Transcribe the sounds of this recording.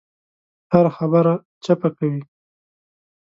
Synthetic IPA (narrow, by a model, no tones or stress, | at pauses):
haɾaxabaɾa | t͡ʃapakawi